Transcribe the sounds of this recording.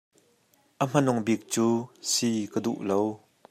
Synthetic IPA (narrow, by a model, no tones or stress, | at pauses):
ʔəm̥ɐnʊŋbik̚t͡suːsikəd̪ṵʔlow